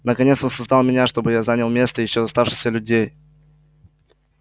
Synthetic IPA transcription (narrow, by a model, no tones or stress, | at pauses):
nəkɐnʲet̪so̞nsɐzd̪alˠmʲɪnʲaʂt̪o̞bɨjazanʲəlˠmʲe̞st̪əjɪɕːozɐst̪afʂɨ̥xʲsʲəlʲʉdʲej